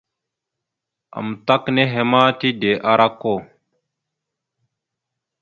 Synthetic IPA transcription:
a̰˨mt̪a˦kne˦ɦe˦maː˦t̪i˦d̪e˨ʔa˦ɾʔa˦kːo˦˨

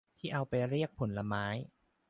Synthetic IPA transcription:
t̪ʰiː˥˩ʔa˧wpa˧jɾi˥˩ək̚pʰo˩˦nla˧maː˦˥j

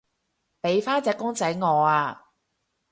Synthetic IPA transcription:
pe˨˧jfaː˥t͡sɛː˧kːʊ˥ŋt͡sɐ˨˥jŋɔː˨˧aː˧

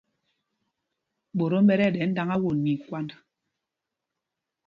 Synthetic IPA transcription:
ɓo˨ɾo˦m̩˦bɛ˦ɾɛ˦˨dɛ˨˦n̩˦da˦ŋa˦wo˨nːi˨kwa˦na˨

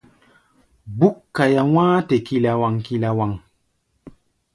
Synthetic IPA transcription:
bu˦kːa˨ja˨w̃ãː˦te˨ki˨la˨wa˨ŋki˨la˨wa˨ŋ

